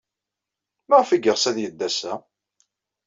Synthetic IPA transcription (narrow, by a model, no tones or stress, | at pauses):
mæʁəfiɡəʁsæðjəd̪ːæsæ